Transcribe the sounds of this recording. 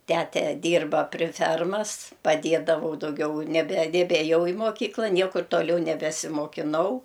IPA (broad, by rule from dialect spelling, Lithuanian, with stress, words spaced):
ˈtʲæːtʲɛ ˈdʲiːrbɐ pʲrʲɪ ˈfʲɛrmɐs pɐˈdʲeːdɐʋɐʊ dɐʊˈɡʲɛʊ nʲɛbʲɛ nʲɛbʲeːˈjɛʊ ɪ moːˈkʲiːklˠɐ ˈnʲiɛkʊr toːˈlʲɛʊ nʲɛbʲɛsʲɪmoːkʲɪˈnɐʊ